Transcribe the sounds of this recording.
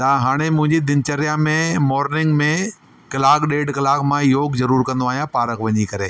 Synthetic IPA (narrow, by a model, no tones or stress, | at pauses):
t̪aɦaːɽ̃emʊ̃ɦɪ̃ɲd͡ʑid̪ɪnt͡ɕəɾijamẽmɔːɾnɪ̃ŋɡmẽ | kɐlaːkɗeːɖkɐlaːkmãjoːkzɐɾuːɾkɐ̃nd̪oaːɦijãpaːɾəkʋɐɲikɐɾeː